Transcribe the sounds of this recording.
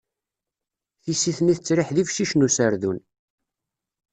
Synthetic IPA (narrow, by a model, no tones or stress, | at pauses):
θisiθniθət͡sːɾɪħðifʃiʃnusəɾðun